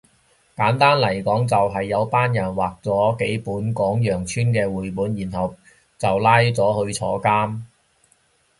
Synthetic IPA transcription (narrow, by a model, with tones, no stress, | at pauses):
kaː˨˥nt̪aː˥nlɐ˨˩jkɔː˨˥ŋt͡sɐ˨wɦɐ˨jːɐ˨˧wpaː˥njɐ˨˩nwaː˨k̚t͡sɔː˨˥ke˨˥jpuː˨˥nkɔː˨˥ŋjœː˨˩ŋt͡ʃʰyː˥nkɛː˧wuː˨jpuː˨˥njiː˨˩nɦɐ˨w | t͡sɐ˨wlaː˥jt͡sɔː˨˥hɵ˧ɥt͡sʰɔː˨˥kaː˥m